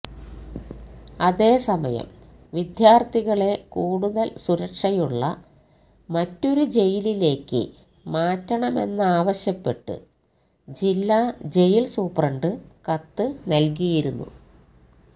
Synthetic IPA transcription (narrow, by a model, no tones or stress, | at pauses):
ɐðe̞ːsɐmɐ̰jɐ̰m | ʋid̪jaːrt̪ʰiɣɐɭe̞kuːɽuðɐlsuɾɐkʂɐjuɭːɐ̰ | mɐtːo̞ɾud͡ʑe̞jilile̞ːkːɨ̰ | maːtːɐɳɐme̞̰nːɨaːʋɐɕjɐpːe̞ʈːɨ̰ | d͡ʑilːaːd͡ʑe̞jilsuːprɐɳɖɨkɐt̪ːɨnɐlk̬ijiɾunːṵ